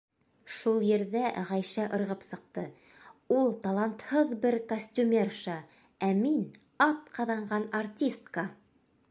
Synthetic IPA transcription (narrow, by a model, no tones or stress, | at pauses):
ʃulˠjɘ̆ɾðæʁɑjʃæʔɤ̆ɾʁɤpsɤ̆q̚t̪ɤ | ulˠt̪ɑlˠɑnt̪hɤðbɘɾkosʲtʲumʲerʃɑ | æmin | ɑt̪̚qɑðɑɴɢɑnartʲist̪kə